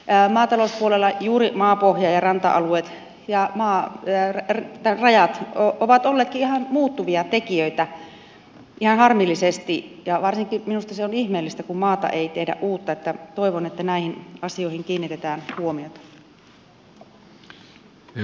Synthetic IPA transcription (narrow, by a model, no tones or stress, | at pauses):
mɑːt̪ɑlospuolelːɑjuːɾimɑːpohjɑjɑrɑnt̪ɑ̰ʔɑ̰lueːt̪ | jɑmɑːrrt̪ærɑjɑt̪oʔoʋɑt̪olːeːt̪kiʔihɑnmuːt̪ːuʋiɑt̪ekiøit̪æ | ʔihɑnhɑrmilːisest̪ijɑʋɑrsiŋkiminust̪ɑseonihmeːlːist̪ækummɑːt̪ɑ̰ʔeit̪ehdæ̰ʔʔuːt̪ːɑet̪ːæt̪oiʋonet̪ːænæˑihinɑsioihiŋkiːnːit̪et̪æːnhuomiot̪ɑ̥